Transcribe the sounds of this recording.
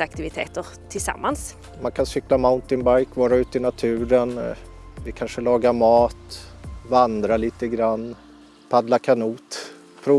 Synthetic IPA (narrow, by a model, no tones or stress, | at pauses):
ak̚t̪ɪvɪt̪ʰḛːt̪əɾ | t̪ʰɪlsa̰mːans | mankʰansʏklamaʊnt̪ɪnbajkvɑːɾaʉ̟ːt̪əɪnat̪ʰʉ̟ːɾən | vɪkʰanʂəlɑːɡaɾmɑːt̪vand̪ɾaliːt̪əɡɾanː | pʰad̪lakʰanuːt̪ | pʰɾuː